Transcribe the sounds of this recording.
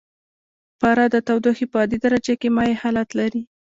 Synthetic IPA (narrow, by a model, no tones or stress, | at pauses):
pɑɾɑd̪ət̪awd̪oxipəɑd̪id̪aɾad͡ʒakemɑjehɑlat̪laɾi